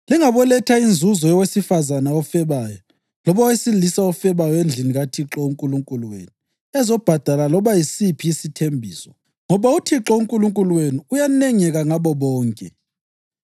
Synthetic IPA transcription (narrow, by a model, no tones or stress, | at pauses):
liŋaβɔlɛtʰaind͡zʱuzɔjɔwesifazanaɔfɛβajɔ | lɔβawesilisaɔfɛβajɔend͡ɮʱiniɣatʰiǁɔuŋkʼuluŋkʼuluwḛnu | ɛzɔb̥ʱad̥ʱalalɔβajisipʰiisitʰembʱḭːsɔ | ŋɔβautʰiǁɔuŋkʼuluŋkʼuluwenuːjanɛŋɛɣaŋaβɔβɔːŋkʼɛ